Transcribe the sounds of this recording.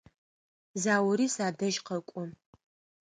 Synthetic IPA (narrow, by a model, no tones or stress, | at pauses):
zaːwɾiːsaːdɐʒqɐkʷʼʊ